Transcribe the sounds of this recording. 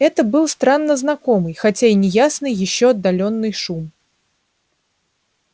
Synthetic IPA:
ɛt̪əbɨlˠst̪ɾanːəznakɔmɨjxat͡sʲainʲɪjasnɨjɪɕːɔɐd̪ːalʲɔnːɨjʂum

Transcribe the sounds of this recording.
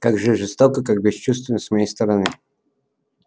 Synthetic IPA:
kaɡʐɨʐɨst̪okəkak̚bʲɪst͡ɕust̪vʲɪnəsmɐjejst̪əɾɐnɨ

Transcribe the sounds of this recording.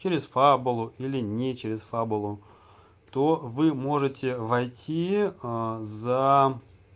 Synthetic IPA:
t͡ɕeɾʲɪsfabʊlˠʊʔilʲɪnʲet͡ɕeɾʲɪsfabʊlˠʊ | t̪ovɨmo̞ʐɨtʲɪvɐjtʲi | za

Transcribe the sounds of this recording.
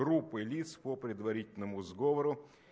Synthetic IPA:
ɾupːɨlʲit̪spəpɾʲɪd̪vɐɾʲitʲɪlʲnəmʊzɡovəɾʊ

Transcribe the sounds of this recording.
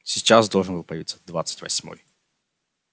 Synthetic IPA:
sʲɪt͡ɕasd̪olˠʐənbɨlˠpəjɪvḭt̪sə̥d̪vat̪sɨ̥tʲvɐ̰sʲmo̰j

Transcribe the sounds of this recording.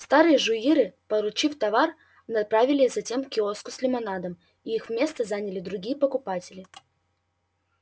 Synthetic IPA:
st̪aɾɨjəʐʊiɾɨpəɾʊt͡ɕift̪ɐvar | nɐpɾavʲɪlʲɪzɐtʲe̞mkʲɪoskʊsʲlʲɪmɐnad̪əm | iixvmʲe̞st̪əzanʲɪlʲɪd̪ɾʊɡʲijəpəkʊpatʲɪlʲɪ

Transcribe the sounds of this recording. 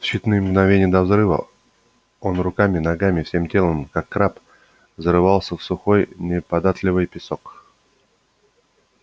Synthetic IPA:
fɕːɪt̪nɨjmɡnɐvʲenʲɪjəd̪ɐvzɾɨvə̰ | o̞nrʊkamʲɪnɐɡamʲɪfsʲe̞mtʲelˠəmkakːɾap | zəɾɨvɑlˠsʲəfsʊxo̞jnʲɪpɐd̪at̪lʲɪvɨjpʲɪsok

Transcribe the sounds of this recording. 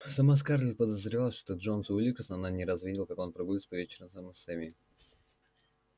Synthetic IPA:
sɐmas̬karlʲɪpəd̪əzɾʲɪvalˠəʂt̪ot̪oʐonsulʲikɾsənananʲɪɾɐzvʲidʲɪlˠkako̞npɾɐɡudʲɪt̪pɐvʲet͡ɕɪɾəmsaməsɛmʲi

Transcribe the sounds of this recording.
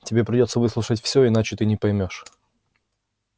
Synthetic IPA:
tʲɪbʲe̞pɾʲɪdʲo̞t̪səvɨslˠʊʂətʲfsʲoɪnat͡ɕɪt̪ɨnʲɪpɐjmʲo̞ʂ

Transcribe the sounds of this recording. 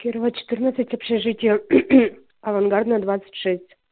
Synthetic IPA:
kʲɪɾvat͡ɕːɪ̥t̪ɨrnət̪sɨtʲɐpɕeʐɨtʲɪjə | ɐvɐnɡard̪nəd̪vat̪sə̥tʲʂɛsʲtʲ

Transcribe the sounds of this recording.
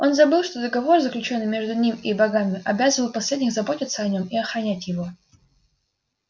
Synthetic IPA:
o̞nzɐbɨlˠʂt̪o̞d̪əɡɐvo̞rzəklʲʉt͡ɕo̞nːɨjmʲe̞ʐd̪ʊnʲimibɐɡamʲɪʔɐbʲazəvəlˠpɐsʲlʲedʲnʲɪxzɐbo̞tʲɪt̪səɐnʲo̞miɐxɾɐnʲætʲjɪvo̞

